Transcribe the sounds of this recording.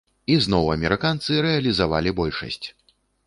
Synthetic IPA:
iznɔwɐ̰mʲɛɾɨkant̪sɨɾɛɐlʲizava̰lʲibɔlʲʂɐ̰sʲt͡sʲ

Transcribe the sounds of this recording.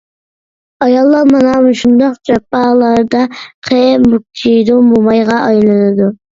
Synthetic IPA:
ɑjɑlˠːɑɾmɑnɑmuʃund̪ɑqd͡ʒɑpːɑlˠɑɾd̪ɑqʰemuk̚t̪ʰid̪umbomɑjʁɑʔɑjlˠɨnɨd̪u

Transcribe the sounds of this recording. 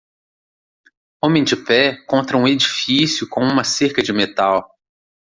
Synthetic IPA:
õmẽj̃d͡ʒɪpɛkõnt̪ɾɐũed͡ʒifisjʊkõũmɐseɾkɐd͡ʒɪmet̪aw

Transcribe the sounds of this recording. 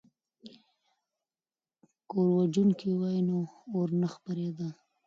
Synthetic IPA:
koɾwad͡ʒunkiwajnoːɾnəxpaɾed̪a

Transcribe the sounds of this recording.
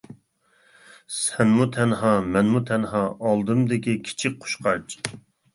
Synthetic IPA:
sɛnmut̪ʰɛnhɑmɛnmut̪ʰɛnhɑʔːlˠd̪ɨmd̪ɪkʲikʲʰi̥t͡ʃʰik̚ʲqʰo̥ʃqʰɑɾt͡ʃʰ

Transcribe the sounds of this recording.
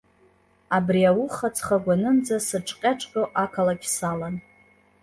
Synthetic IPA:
abriawʊχat͡sʰχaɡʷanɨnd͡zasɨʈ͡ʂʼqʲʼaʈ͡ʂʼkʼoʔakʰalakʲsalan

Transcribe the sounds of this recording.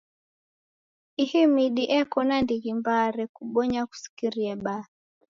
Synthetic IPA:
ihimiɗiʔɛkɔnandiɣimbaɾɛkuɓɔɲaku̥si̥kiɾiɛɓa

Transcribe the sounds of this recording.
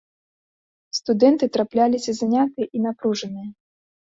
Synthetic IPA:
st̪ud̪ɛnt̪ɨt̪ɾaplʲalʲisʲɐzanʲat̪ɨjɛʔinapɾuʐɨnɨjɐ

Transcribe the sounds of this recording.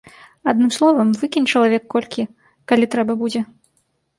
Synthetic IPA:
ad̪nɨmslˠɔvɐmvɨkʲinʲt͡ʂɐlˠavʲɛkːɔlʲkʲi | kalʲit̪ɾɛbɐbud͡zʲɛ

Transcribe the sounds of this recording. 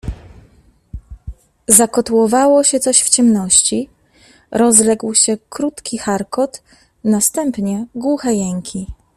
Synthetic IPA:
zakɔt̪uwɔvawɔɕɛt̪sɔɕft͡ɕɛmnɔɕt͡ɕi | ɾɔzlɛɡwɕɛkɾut̪kʲixaɾkɔt̪ | nast̪ɛmpɲɛɡwuxɛjɛŋkʲi

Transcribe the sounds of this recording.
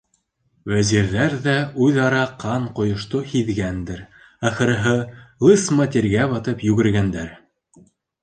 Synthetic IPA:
wæziɾðæɾðæʉðɑɾɑqʰɑɴqŏjŏʃt̪ohiðɡænd̪ɘɾ | æχɤ̆ɾɤ̆ɦɤlˠɤsmɑt̪eɾɡæβɑt̪ɤpjʉɡɘ̆ɾɡænd̪æɾ

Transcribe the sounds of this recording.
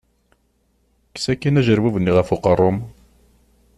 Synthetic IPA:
ksækːinæʒəɾwævənːiʁəfuqərˤːʊm

